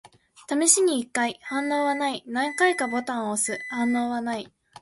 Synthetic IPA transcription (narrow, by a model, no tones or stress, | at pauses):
t̪amiɕiɲ̟iːkːaihãnːo̞ːβanainãŋkaikabo̞t̪ãɰ̃osɨhãnːo̞ːβanai